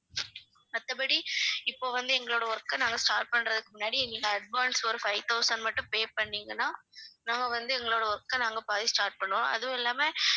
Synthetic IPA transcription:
ɐt̪ːɐp̬ɐɽiɪpːoːʋɐnd̪ɯɛŋɡɐɭoːɽɐɔɾɯkːɐnaːŋɡɐsʈaːɾʈ̚pɐɳːɾɐðɯkːɯmʊnːaːɽiɛŋɡɐɭɐɐɖ̚ʋaːnsɔɾɯfɐɪt̪ɐʊsɐnmɐʈːɯ̃peːpɐɳːiːŋɡɐnːaːnaːŋɡɐʋɐnd̪ɯɛŋɡɐɭoːɽɐɔɾɯkːɐnaːŋɡɐpaːðisʈaːɾʈ̚pɐɳːʋõːʔɐ̰ðɯʊ̃ɛlːaːme

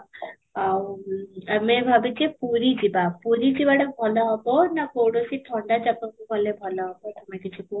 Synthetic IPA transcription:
a | amebʱabit͡ʃipuɾid͡ʒibapuɾid͡ʒibaɽebʱɔlɔɦɔbɔnakowɽosit̪ʰɔɳɖad͡ʒapɔkubʱɔlebʱɔlɔɦɔbɔt̪ɔmekit͡ʃʰiko

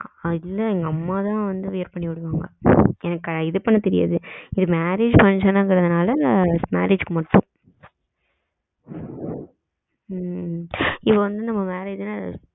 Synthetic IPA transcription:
ɪlːɐɛŋɡɐɐmːaːt̪ãːʋɐnd̪ɯʋɪjɐɾpɐɳːiʋɪɽɯʋaːŋɡɐɛnɐkːɐɪðɯpːɐnːɯt̪ɛɾɪja̰ːðɯɪðɯmaːɾeːd͡ʒpɐnt͡ʃɐnaːŋɡɪɾɐðɯnaːlɐnma̰ːɾeːd͡ʒkɯmɐʈːʊ̃ | ɪpːɐʋɐnd̪ɯnɐmːɐʋeːɾɛɪðɯna

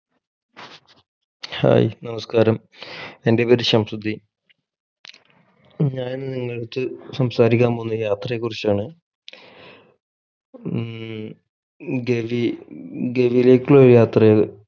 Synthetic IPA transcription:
ha̰ːjnɐmɐskaːɾɐm | e̞ndepɐɾiɕɐmsud̪ʱːi | ɲaːnenːɨniŋːɐɭeɽut̪ːɨsɐmsaːɾikʲːaːmbonːɨjaːt̪rɐjekːurit͡ɕːaːɳɨ | ɡeʋiɡeʋijle̞ːkʲːiɭoːɾjaːt̪rɐe

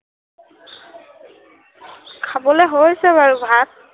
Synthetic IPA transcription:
kʰabɔleɦojsɛβaɹubʱak̚

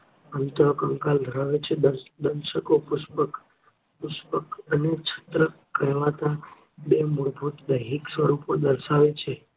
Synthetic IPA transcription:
əmt̪əakəŋkald̪ʱəɾaʋet͡ʃʰed̪əd̪ənʃəkopʊʃpək | pʊʃpəkənet͡ʃʰə̥t̪ɾə | kəjʋat̪a | bemʊɽbʱut̪d̪əjɦiksʋəɾupod̪əɾʃaʋet͡ʃʰe

